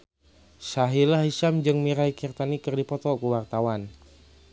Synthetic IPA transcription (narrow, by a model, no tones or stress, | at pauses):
saɦilahisamd͡ʒɨŋmiɾaikirt̪anikɨrdipɔt̪ɔkuwart̪awan